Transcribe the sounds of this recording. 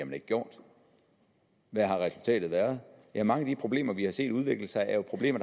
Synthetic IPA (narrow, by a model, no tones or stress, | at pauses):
mæne̝ɡ̥əɡ̥jo̝ɐ̰d̥ | ʋæɦɑ̈ʁɛsult͡sʰɛ̰ːd̥ð̩ˠʋæːɐð̞̩ˠjæmɑ̈ŋəæd̥ipʰʁo̝b̥le̝̰ːmɐʋihɑ̈se̝̰ːd̥uð̞ˠʋe̝ɡ̥l̩sɑ̈ɪʔæɐjo̝pʰʁob̥le̝̰ːmɐ̥